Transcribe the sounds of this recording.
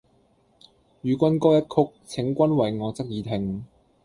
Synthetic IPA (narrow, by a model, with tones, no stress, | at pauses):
jyː˨˧kʷɐ˥nkɔː˥jɐ˥t̚kʰʊ˥k̚t͡sʰɪ˨˥ŋkʷɐ˥nwɐ˨˩jŋɔː˨˧˥t͡sɐ˥k̚jiː˨˧t̪ʰɪ˨ŋ